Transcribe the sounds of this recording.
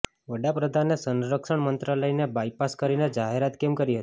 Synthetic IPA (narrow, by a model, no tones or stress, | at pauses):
ʋəɽapɾəd̪ʱanːesənɾəkʃəɳmənt̪ɾaləinebajpaskəɾined͡ʒaɦeɾat̪kemkəɾiɦət̪i̥